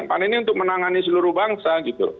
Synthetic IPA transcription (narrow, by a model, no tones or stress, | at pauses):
ŋpaniniunt̪ʊk̚mənaŋanisəluɾʊhbaŋsaɡit̪ṵ